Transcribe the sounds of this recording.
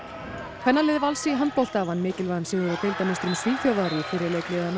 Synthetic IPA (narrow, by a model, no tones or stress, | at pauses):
kʰvɛnːalɪːðvalsiɦant̪̚powl̥t̪avanːmɪːcɪlvansɛðɪɾat̪ʰɪjlt̪amɪst̪ɾʏmsviːfjawðaɾɪfɪːɾɪleːjklɪðana